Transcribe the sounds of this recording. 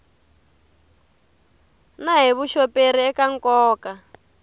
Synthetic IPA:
naɦiβuʃɔperiɛkaŋkɔːka

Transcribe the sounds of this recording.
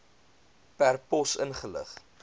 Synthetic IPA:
pærpɔsənχələ̰χ

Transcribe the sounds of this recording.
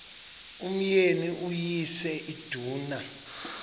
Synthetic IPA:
um̩jeniʔujisɛʔid̥ʱuːna

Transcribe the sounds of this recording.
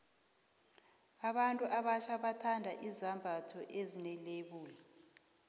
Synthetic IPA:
aɓantʼuʔaɓaʃʰaɓatʰandʱaʔizambʱatʰɔʔezinɛleɓuːli

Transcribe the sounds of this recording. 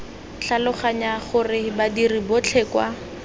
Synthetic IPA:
ɬalʊχaɲaχʊrɪbadiribʊt͡ɬʰɛːkwa̰

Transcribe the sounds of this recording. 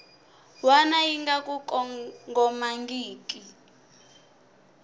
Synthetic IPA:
wanajiŋɡakʼukʼɔŋɡɔmaŋɡiːk̬ʼi

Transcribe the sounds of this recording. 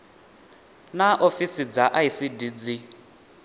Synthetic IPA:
naʔofisid͡zaʔaisidid͡zi

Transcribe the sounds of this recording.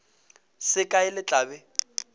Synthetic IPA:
sɪkʼaɪlɪt͡ɬʼaːbɛ

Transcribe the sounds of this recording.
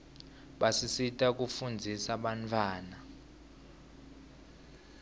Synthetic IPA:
ɓasisitʼak̬ʼufund͡zʱisaɓantʰʼwaːna

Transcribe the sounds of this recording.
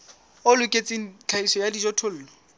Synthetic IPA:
olʊkʼet͡sʼɪŋ̩t͡ɬʰaisɔjadid͡ʒɔtʰʊl̩ːlɔ

